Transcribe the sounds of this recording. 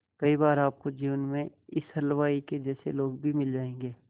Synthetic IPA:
kɐibaːɾaːp̚kod͡ʒiːʋənmẽɪshɐlʋaːiked͡ʒɛːsḛloːɡbʱimɪld͡ʒaːẽːŋɡeː

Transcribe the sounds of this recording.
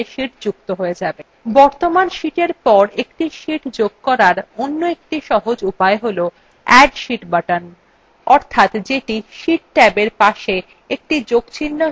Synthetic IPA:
eʃiʈd͡ʑuk̚t̪oɦoed͡ʑabe | bɔɾt̪omanʃiʈeɾpɔɾekʈiʃiʈd͡ʑoɡ̚kɔɾaɾonːoek̚ʈiʃɔɦod͡ʑupaeɦolo | ɛɖʃiʈbaʈan | ɔɾt̪ʰat̪d͡ʑeʈiʃiʈ̚ʈɛbeɾpaʃe | ek̚ʈid͡ʑoɡt͡ɕʰinːo

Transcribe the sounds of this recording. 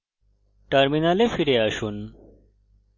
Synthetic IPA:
ʈɐɾminɐlefiɾeɐɕun

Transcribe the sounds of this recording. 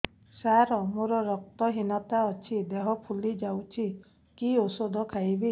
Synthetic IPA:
saɾɔmoɾɔɾɔk̚t̪ɔɦinɔt̪aɔt͡ʃʰid̪eɦɔpʰulid͡ʒawt͡ʃʰi | kiosod̪ʱɔkʰajbi

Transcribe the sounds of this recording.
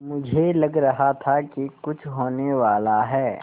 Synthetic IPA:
mʊd͡ʒʱelɐɡɾɐɦat̪ʰakikʊt͡ʃʰɦoːneʋaːlaɦɛː

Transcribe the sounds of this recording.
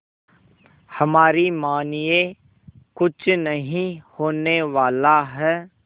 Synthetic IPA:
hɐmaːɾimaːnije | kʊt͡ʃʰnəɦĩhoːneʋaːlaɦɛː

